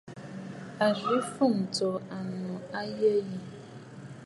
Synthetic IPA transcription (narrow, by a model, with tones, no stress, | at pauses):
a˨ɣi˨˦fu˦˨ŋ̩˨tɔ˨a˨nɔ̃˨a˦je˦ji˦